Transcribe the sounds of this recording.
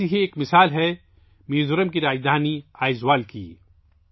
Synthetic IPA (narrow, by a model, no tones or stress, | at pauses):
iɦeeːkmɪsaːlɦɛ | mĩːzʊɾəmkiɾaːd͡ʒd̪ʱaːniaːɪzwaːlkḭː